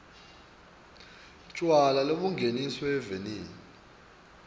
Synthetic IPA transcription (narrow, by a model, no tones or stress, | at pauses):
t͡ʃʼwalaloɓuŋɡʱenisɔɛveniːni